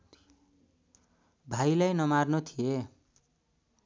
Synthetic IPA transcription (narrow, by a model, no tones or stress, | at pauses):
bʱajlajnʌmarnot̪ʰije